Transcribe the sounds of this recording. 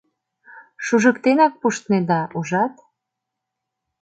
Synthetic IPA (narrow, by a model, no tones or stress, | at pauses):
ʃuʒə̆kt̪enɑk̚puʃt̪ned̪ɑuʒɑt̪